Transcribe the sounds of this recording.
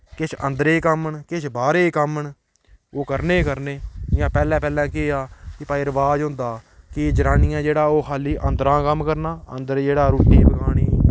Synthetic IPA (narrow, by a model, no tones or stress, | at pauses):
kɪt͡ʃʰənd̪əɾeːkəmɳkɪt͡ʃʰbaːɾeːkəmɳ | oːkəɾneːkəɾneːɪjãːpɛːlɛ̃ːpɛːlɛ̃ːkeaːkɪpaːiɾəʋaːd͡ʒɦʊ̃nd̪aːkɪd͡ʒəɾaːnɪjãːd͡ʒeːɽaːoːxʰaːliːʔənd̪ɾãːkəmːkəɾnaːənd̪əɾd͡ʒeːɽaːɾuːʈiːbəɡaːɳiː